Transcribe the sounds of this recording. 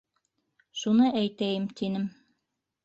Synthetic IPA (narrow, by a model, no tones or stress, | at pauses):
ʃunɤʔæjt̪æjɘmt̪ʰinɘm